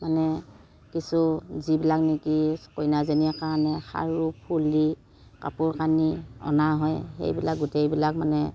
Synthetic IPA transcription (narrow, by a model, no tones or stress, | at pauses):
manɛ | kisuzibilaknikikojnazeniakanɛxa̰ɹupʰuli | ka̰pʊɹkaniɔ̰naɦɔjhḛjbilak̚ɡutejbilak̚manɛ